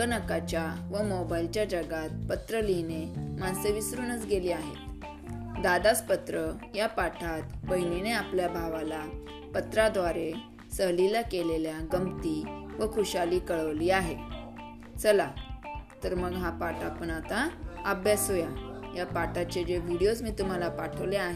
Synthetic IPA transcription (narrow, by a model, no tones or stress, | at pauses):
ɡənəkat͡ɕjaʋəmɔbailt͡ɕjad͡ʑəɡat̪̚pət̪ɾəlinemãnseʋisɾuːnət͡sɡeliːaɦet̪ | d̪ad̪aspət̪ɾə | japaʈʰat̪bəjnineapljabʱaʋala | pət̪ɾad̪ʋaɾe | səɦlilakeleljaɡəmt̪iʋəkʰuɕaliːkəɭəʋliːaɦe | t͡səlat̪əɾməɡɦapaʈapəɳat̪aəbjasɦojajapaʈʰat͡ɕed͡ʑeʋiɽijosmiːt̪um̤alapaʈʰəʋleaɦe